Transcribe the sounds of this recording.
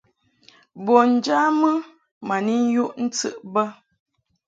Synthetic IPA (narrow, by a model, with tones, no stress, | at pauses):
bɔ˨n̩˨d͡ʒa˦mə˦ | ma˨ni˦n̩˦ju˦ʔn̩˦t͡sɨ̰˨ʔbə˦